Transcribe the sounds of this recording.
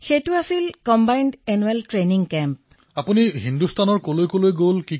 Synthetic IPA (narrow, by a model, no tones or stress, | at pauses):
xejtʊasilkɔmbajndɛnuɛltɹeniŋkɛmp | apuniɦindustʰanɔɹkolojkolojɡolki